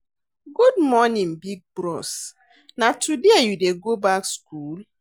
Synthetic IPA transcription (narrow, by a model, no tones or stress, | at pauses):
ɡudmɔnĩnbiɡ̚bɹɔs | natʰudejudeɡobakskul